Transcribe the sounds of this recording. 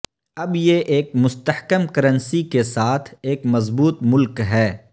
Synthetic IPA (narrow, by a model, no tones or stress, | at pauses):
ɐbjeʔeːkmʊst̪əhkəmkɐɾə̃nsikesaːt̪ʰeːkmɐzbuːt̪mʊlkɦɛː